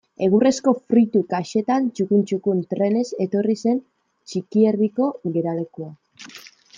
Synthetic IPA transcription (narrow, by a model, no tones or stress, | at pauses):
e̞ɣ̞ure̞sko̞fɾit̪ukaʃe̞t̪ant͡ʃukunt͡ʃukunt̪ɾe̞ne̞se̞t̪o̞rise̞n | t͡ʃikieriko̞ɣe̞ɾale̞kua